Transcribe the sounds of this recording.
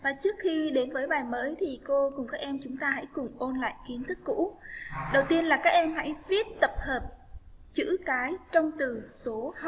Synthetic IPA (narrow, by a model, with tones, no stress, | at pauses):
vaː˨˩t͡ɕɨ˦˥ək̚xi˧ɗe˨˦nvəː˨˦jɓaː˨˩jməː˨˦jt̪ʰi˨˩ko˧kʊ˨˩ŋ͡mkaː˦˥k̚ʔɛ˧mt͡ɕʊ˨˦ŋ͡mt̪aː˧ɦa̰˧˥jkʊ˨˩ŋ͡mʔo˧nla̰ː˧˨jki˨˦ənt̪ʰɨ˦˥kːṵ˧˥ɗə˨˩wt̪i˧ənlaː˨˩kaː˦˥k̚ʔɛ˧mha̰˧˥jvi˦˥ət̚t̪ə˨˩p̚həː˨˩p̚ | t͡ɕɨ̰˧˥kaː˨˦jt͡ɕɔ˧wŋ͡mt̪ɨ˨˩so˨˦h